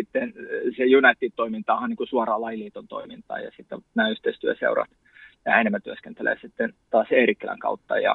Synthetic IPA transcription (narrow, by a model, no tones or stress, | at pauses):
it̪ːensejunɑit̪ːit̪t̪oimint̪ɑːhɑniːŋkusuɑrɑːlɑiliːt̪ont̪o̰imint̪ɑ̰ːjɑ̰sit̪ːenæːyht̪eist̪yæsḛurɑ̰t̪ | jɑhæenemːæt̪yæskent̪elḛːsit̪ːent̪ɑːseːrikːelæ̰ŋkɑ̰ut̪ːɑ̰jɑ̰